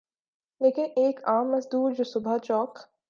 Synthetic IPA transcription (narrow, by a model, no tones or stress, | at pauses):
leːkɪneːkaːmːɐzd̪uːɾd͡ʒoːsʊbʱat͡ʃɔːk